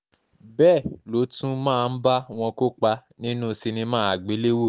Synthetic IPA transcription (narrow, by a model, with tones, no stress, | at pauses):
bɛː˦˨lo˨˦tũ˦mãː˦˨˧n̩˦ba˦w̃ɔ̃˧ko˦k͡pa˧nĩ˦nũ˦si˧nĩ˧mãː˦a˨ɡ͡be˨˦le˦wo˦˨